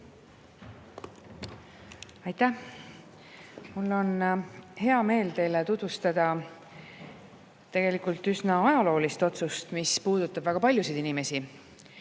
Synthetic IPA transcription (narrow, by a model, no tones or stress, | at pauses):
ɑjt̪æh | mulːo̞nhe̞ɑme̞ːlt̪e̞jlet̪ud̪̥vust̪ɑd̪̥ɑ | t̪e̞ɡ̥e̞likult̪ysnɑɑjɑlo̞ːlist̪o̞t̪sust̪mispuːd̪̥ut̪ːˑɑb̥væɡ̥ɑpɑlʲjusid̪̥inime̞si